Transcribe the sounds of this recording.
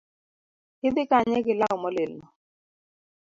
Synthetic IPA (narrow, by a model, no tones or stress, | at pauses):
hɪd̪ɪkaɲɛɡɪlakɔmɔlelnɔ